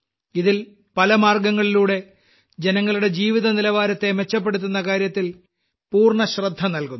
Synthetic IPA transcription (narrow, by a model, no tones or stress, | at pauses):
iðil | pɐlɐmaːrɡɐŋːɐɭiluːɽe̞ | d͡ʑenɐŋːɐɭuɽe̞d͡ʑiːʋiðɐnilɐʋaːɾɐt̪ːe̞met͡ɕːɐp̬ːe̞ɽut̪̬ːunːɐkaːɾjɐt̪ːil | puːrɳɐɕrɐd̪ʱːɐnɐlkunː